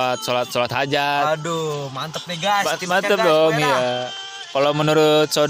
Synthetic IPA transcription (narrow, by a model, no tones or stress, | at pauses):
at̪̚solat̪̚solat̪had͡ʒadumant̪əp̚neɡaamant̪əp̚dɔmija | kalomənuɾʊt̪̚so